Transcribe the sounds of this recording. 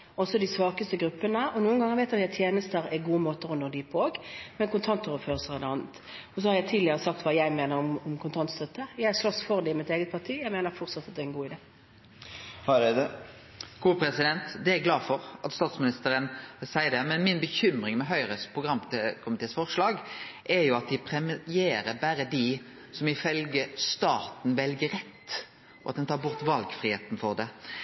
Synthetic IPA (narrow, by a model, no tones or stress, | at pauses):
ɔsɔd̪ɪsʋɑːkəst̪əɡɾʉpːənəɔnuːənɡɑŋəɾʋeɪt̪ɑt̪ʋɪɑt̪ʰjeːnəst̪əɾɛɡuːəmoːt̪əɾʁɔnɔd̪ɪpʰɔoːɡmɛnkʊnt̪ʰɑnt̪oːʋəføːʁəsəʁɛd̪ɛɑnət̪ɔs̬ɔhɑɾjæɪt̪ʰiːd̪lɪəɾəsɑk̚t̪ʋɑjæɪmeːnəɾɔmʊmkʰʊnt̪ʰɑnt̪st̪œt̪ːəjæɪɑʂlɔsfɔʁd̪ɪmɪt̪eːɡət̪̚pʰɑʁt̪ʰiːjæɪmeːnəɾfɔɾt̪sɑt̪ɑt̪d̪ɛɛnɡuːɪd̪eː | hɾɛd̪ | ɡ̥uːpɾɛsɪd̪ɛnt̪d̪ɛæɾɡlɑːfɔɾɑt̪st̪ɑːt̪smɪnɪst̪əɾənɪsæɪəd̪ɛmɛnmɪnbəçʏmɾɪŋmɛɦœʏɾəspʰɾʊɡʁɑmkʰʊmɪt̪ʰeːsfɔɾʂlɑːɡʔɛɾjʊɑt̪̚d̪ɪpʰɾɛmɪeːɾəbæːɾəd̪ɪ | sɔmɪfœlɡəst̪ɑːt̪n̩ʋɛlɡəɾɛt̪ː | ɔʔɑt̪̚d̪ɛnt̪ʰɑːɾbʊɾt̪ʋɑlɡfɾiːheːt̪n̩fɔʁd̪ɛ